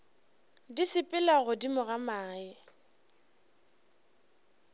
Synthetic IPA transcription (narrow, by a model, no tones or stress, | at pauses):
disɪpʼɪlaɣʊdimʊɣamaːɪ